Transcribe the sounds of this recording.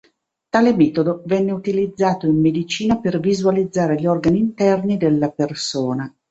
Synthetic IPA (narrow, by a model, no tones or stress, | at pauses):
t̪aːlemɛːt̪od̪ovɛnːeut̪ilid̪zːaːt̪oimːed̪it͡ʃiːnapervizualid̪zːaːɾeʎɔrɡaniːnt̪ɛrnid̪elːapersoːna